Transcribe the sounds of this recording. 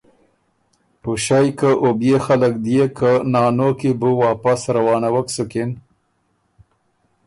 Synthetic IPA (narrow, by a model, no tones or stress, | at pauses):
puʃajkəʔobjexalək̚d̪jekənɑːnokibuwɑːpasɾawɑːnawəksukɪn